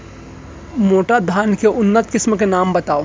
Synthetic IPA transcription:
moːʈad̪ʱaːnkeʔʊnːət̪kɪsmkenaːmbɐt̪aːo

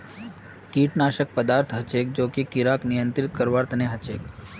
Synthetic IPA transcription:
kiʈnaʃək̚pəd̪aɾt̪ʰɦət͡ʃek̚d͡ʒoːkikiɾaknijənt̪ɾɪt̪kəɾʋaɾt̪ʰəneɦət͡ʃek

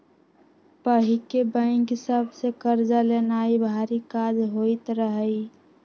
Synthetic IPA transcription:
pəɦikebə̃ɪŋkɦsəbsekəɾd͡ʒalenaibʱaɾikad͡ʒɦoit̪ɾəɦəi

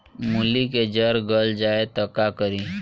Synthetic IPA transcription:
muliked͡ʒəɾɡəld͡ʒaet̪əkakəɾi

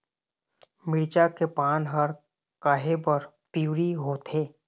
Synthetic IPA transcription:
mɪɾt͡ʃakepaːnɦəɾ | kaːɦebəɾ | piuːɾiɦoːt̪ʰeː

